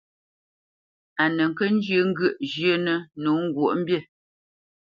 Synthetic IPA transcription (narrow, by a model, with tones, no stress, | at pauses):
a˨nə˨ŋ˨kə˦n̩˦d͡ʒə˦ŋ̩˦ɡə˦˨ʔʒjə˦nə˦nu˨˦ŋ̩˦ɡwo˨ʔm̩˦bje˦˨